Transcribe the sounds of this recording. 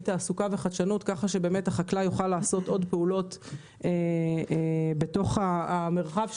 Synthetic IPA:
taːsukave̞χadʃanutkaχaʃebe̞ːmetaχaklajuχalːaːso̞to̞dpeulo̞t | e | beto̞χaːme̞ʁχav

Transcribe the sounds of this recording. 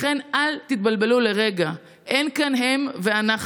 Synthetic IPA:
χe̞nalt̪it̪̚balbe̞lule̞ʁe̞ɡa | ʔenkanɦe̞mve̞anaχ

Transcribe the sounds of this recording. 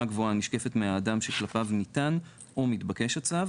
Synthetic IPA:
aɡvoaniʃke̞fe̞tmeaːdamʃeklapavnitan | ʔomitbake̞ʃat͡sav

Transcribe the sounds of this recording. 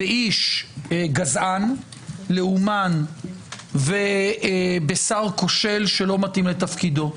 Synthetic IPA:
beiʃ | ɡazʔan | leuman | ve | besaʁko̞ʃe̞lʃelo̞mat̪imlet̪afkid̪o̞

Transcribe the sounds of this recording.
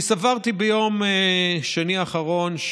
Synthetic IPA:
savaʁt̪ibejo̞meʃaniaχaʁo̞nʃ

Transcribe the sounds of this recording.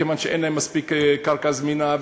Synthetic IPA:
evanʃeḛjnlajemːaspikkaɾkazmina

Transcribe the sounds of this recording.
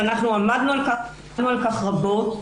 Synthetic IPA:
anaχnuamad̪nualka | dnualkaχʁabo̞t̪

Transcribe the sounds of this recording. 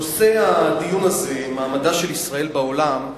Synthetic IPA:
ose̞ad̪ijunaze̞maːmad̪aʃelisʁae̞lbaolam

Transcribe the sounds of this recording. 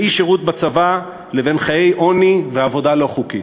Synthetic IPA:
iʃeʁut̪̚bat͡sava | leve̞nχaje̞jʔo̞niveavo̞dalo̞χuki

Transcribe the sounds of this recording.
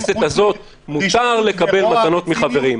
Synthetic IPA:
set̪azo̞t̪̚ | mut̪aʁle̞kabe̞lmat̪ano̞t̪miχave̞ʁim

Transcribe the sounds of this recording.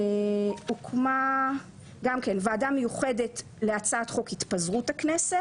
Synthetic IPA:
ukʰma | ɡamkenveaːdamːejuχede̞t | leat͡saːt̪χo̞khit̪pazʁuthakneset

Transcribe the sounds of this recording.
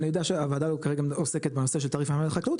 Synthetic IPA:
niod̪aʃeavad̪alukaʁeɡaoseket̚beno̞seʃ̬elt̪aːʁifamaleχaklut̪

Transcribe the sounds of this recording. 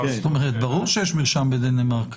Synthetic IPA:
t̪omeʁet̪baʁuʁʃejeʃmiʁʃambed̪enemaʁk

